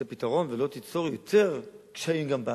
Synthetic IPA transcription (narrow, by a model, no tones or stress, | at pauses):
epitaʁo̞nvelo̞t̪it͡so̞ʁjot̪eʁkʃaimɡamba